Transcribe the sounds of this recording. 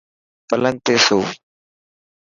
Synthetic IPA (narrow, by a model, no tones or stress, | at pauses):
pɐlɐnt̪eso